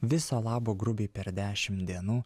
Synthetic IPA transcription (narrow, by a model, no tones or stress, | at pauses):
ʋʲɪsoːlˠɑːboːɡɾʊbʲeːpʲɛɾd̪ʲæːʃʲɪmt̪d̪ʲiɛnuː